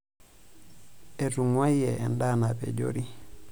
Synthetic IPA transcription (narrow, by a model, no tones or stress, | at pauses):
ɛtuŋwajɛʔɛndaːnapɛ̰d͡ʒo̰ɾi